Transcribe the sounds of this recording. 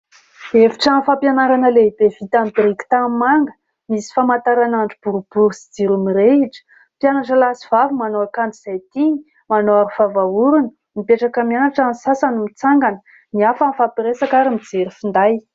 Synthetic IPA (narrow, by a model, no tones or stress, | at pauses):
eviʈ͡ʂanfapjanaɾanəleid̪evit̪amb̪iɾikʲi̥t̪ammaŋɡə | misi̥famant̪aɾanaɳɖ͡ʐib̥uɾub̥uɾusi̥d͡ziɾumiɾeiʈ͡ʂə̥ | pjanaʈ͡ʂəlasivavumanoakand͡z̪iz̥ajt̪iɲi | manoaɾifavauɾunə | mipeʈ͡ʂakəmianaʈ͡ʂansasanumit͡saŋɡanə̥ | niafanfapiɾesakaɾəmid͡zeɾifind̪aj